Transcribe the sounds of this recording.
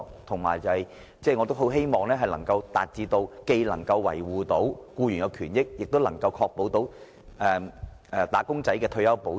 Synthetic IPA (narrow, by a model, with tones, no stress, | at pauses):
t̪ʰʊ˨˩ŋmaː˨˩jt͡sɐ˨˧hɐ˨j | t͡sɛː˥˩ŋɔː˨˧t̪o˥wɦo˨˥wɦe˥jmɔː˨˩ŋlɛː˥ɦɐ˨jlɐ˨˩ŋkɐ˧wt̪aː˨t̚t͡siː˧t̪o˧wke˧jlɐ˨˩ŋkɐ˧wːɐ̰˨˩jwuː˨t̪o˨˥wkuː˧ɥy˨˩nkɐ˨˧wkʰyː˨˩njɪ˥k̚jɪ˨k̚t̪o˥wlɐ˨˩ŋkɐ˧wkʰɔː˧k̚po˨˥wt̪o˨˥w | ʔɛː˨ɛ˨˩t̪aː˨˥kʊ˥ŋt͡sɐ˨˥jkɛː˧t̪ʰɵ˧ɥjɐ˥wpo˨˥